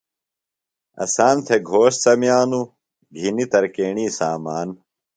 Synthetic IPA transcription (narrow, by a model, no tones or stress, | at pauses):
ɐ̰saːnt̪ʰeɡʱoːʂsɐmjaːnu | ɡʱinit̪ɐɾkeːɳiːsaːmaːn